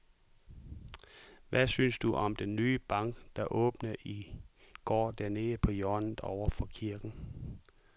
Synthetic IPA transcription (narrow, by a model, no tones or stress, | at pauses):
ʋæsynsd̥uʔɒ̽md̥enːyːəb̥ɑ̈ŋ̰ɡ̥d̥ɑ̈ʔɔ̰̽ːb̥nɐʔiɡ̥ɒ̰ːd̥æɐne̝ːðəpʰɒ̽jɒɐnð̩ˠɒʊ̰ɐfɒ̽kʰiɐɡ̥n̩